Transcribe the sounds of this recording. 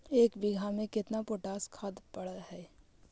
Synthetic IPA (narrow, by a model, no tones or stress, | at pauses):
eːkbɪɡʱamẽkɪt̪napoʈaːskʰaːd̪pɐɽaɦɛː